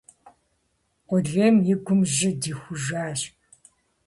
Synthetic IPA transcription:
qʷɔɮeːmjɪɡʷʊmʒɪdiːxʷʊʒʷaːɕp̚

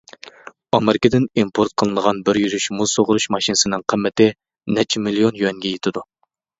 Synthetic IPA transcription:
ɑmeɾɪkəd̪ɪnimpʰoɾt̪̚qʰəlˠɨnəʁɑnbɪɾjyɾyʃmusoʁʊɾuʃmɑʃinɨsɪnɨŋqʰəmːɪt̪ɪ | nɛt͡ʃʰmilionjyɛŋɡʲɛjet̪ʰɪd̪u

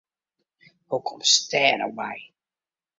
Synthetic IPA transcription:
hukʰɔmstɛːnə̰wɛj

